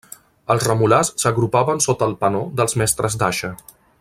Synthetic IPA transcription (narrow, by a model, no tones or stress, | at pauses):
əlˠzrəmulasːəɣɾupaβənsot̪əːlˠpənod̪əlˠzmɛst̪ɾəzd̪aʃə